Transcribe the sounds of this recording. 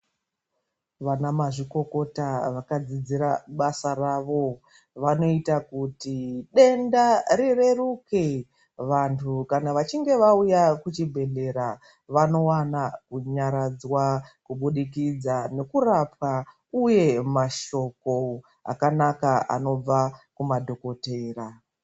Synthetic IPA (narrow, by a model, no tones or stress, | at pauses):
ʋanamaʐiko̞ko̞taʋakad͡zid͡ziɾaɓasaraʋo̞ | ʋano̞itakutiɗe̞ndaɾire̞ruke | ʋantʰukanaʋat͡ʃiŋɡe̞ʋaujakut͡ʃibʱe̞ɮe̞ɾa | ʋano̞wanakuɲaɾad͡zwakuɓuɗik̬id͡zane̞kurapwa | uje̞maʃo̞ko | a̰kanakaa̰no̞b͡vakumadʱo̞ko̞teːra